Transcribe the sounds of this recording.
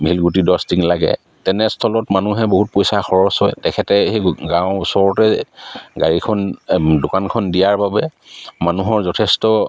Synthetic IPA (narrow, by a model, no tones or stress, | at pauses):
mʱilɡutidɔstiŋlaɡɛ̰ | tɛnɛstʰɔlɔtmanuɦɛboɦut̚pojsaxɔɹɔsɔjtɛkʰɛtɛheɡãʊʊsɔɹɔtɛɡa̰ɹikʰɔndʊkankʰɔndijaɹbabɛmanuɦɔɹzɔtʰɛstɔ